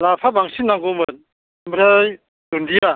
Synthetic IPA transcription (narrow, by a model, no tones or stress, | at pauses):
lapʰabaŋsinːaŋɡomɯn | mɾaj | dundija